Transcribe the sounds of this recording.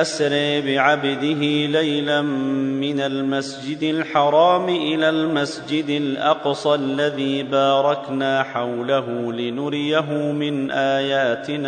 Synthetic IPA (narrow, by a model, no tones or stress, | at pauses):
ʔasɾɪʕbɪʕabd̪ɪɦɪlajlammːɪnalmasd͡ʒɪd̪alħɑɾˤɑːmɪʔɪlaːlmasd͡ʒɪd̪alʔɑqsˤʔlːaðiːbaɑːɾˤɑknaːħawlaɦʊlɪnʊɾɪjaɦʊmɪnʔaːjaːt̪ɪna